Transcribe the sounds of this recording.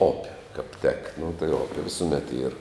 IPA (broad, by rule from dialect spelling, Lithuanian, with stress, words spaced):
oːpʲ kɐp tʲɛk nʊ tɐɪ ˈoːpʲɛ ʋʲɪsʊˈmʲɛt iːr